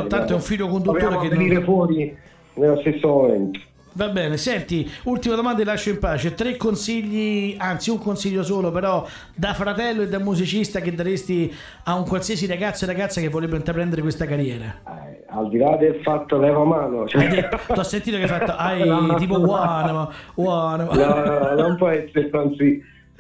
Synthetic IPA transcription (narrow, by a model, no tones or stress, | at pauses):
ant̪oɛuɱfiʎːokond̪ut̪ːoːɾeked̪iːɾefwɔːɾi | nelːost̪esːomoment̪o̥ | vabːɛːnesɛnt̪iult̪imad̪omand̪ailaʃːoimpaːt͡ʃet̪ɾekːonsiʎːiant̪siuŋkonsiʎːosoːlopeɾɔ | d̪afɾat̪ɛlːoed̪ːamːuzit͡ʃist̪aked̪ːaɾest̪i | auŋkwalsiasiɾaɡat̪sːoɾaɡat̪sːakevːot̪ɾebːeint̪ɾapɾɛnd̪eɾekwest̪akaɾjɛːɾa̰ɛ | a̰ld̪ilad̪elfat̪ːoavɛvamaːnot͡ʃɛd̪et̪uasːent̪iːt̪okeafat̪ːoʔajt̪iːpowanowannɔnompwɔɛsːeɾesant̪si